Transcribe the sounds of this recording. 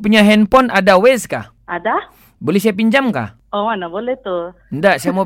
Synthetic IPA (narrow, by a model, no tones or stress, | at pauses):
p̬uɲaɦɛnpɔnʔadawɛska̰ | ada | bolɛhsiap̬iɲd͡ʒamka̰ | ɔmanabolɛht̪u | ndaʔsiamɔ